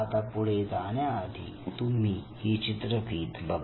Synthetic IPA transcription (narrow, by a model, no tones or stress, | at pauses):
t̪apuɽ̤ed͡zaːnjaːd̪ʱḭ | t̪um̤iːhit͡ɕit̪ɾəpiːt̪bɐb